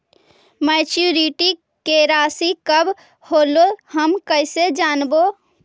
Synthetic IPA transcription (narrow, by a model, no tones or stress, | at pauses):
mɛt͡ʃuɾiʈi | keɾaːsikəb | hoːloɦəmkəɪsed͡ʒaːnbo